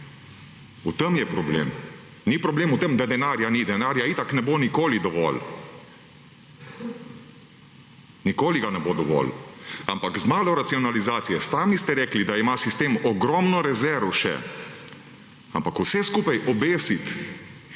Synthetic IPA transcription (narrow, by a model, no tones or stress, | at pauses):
ut̪əmjɛpɾɔblḛːm | nipɾɔbleːmut̪əmd̪ad̪ɛnaːɾjanid̪ɛnaːɾjait̪aknɛbonikoːlid̪ɔʋɔ̰l | nikoːliɡanɛbod̪ɔʋɔ̰la̰mpakzmaːlɔɾat̪siɔnalizaːt̪sijɛst̪aːmist̪ɛɾɛːklid̪aimasist̪eːmɔɡɾɔmnɔɾɛzɛɾʋɔʃɛ̰ | a̰mpakusɛskuːpajʔɔbeːsit̪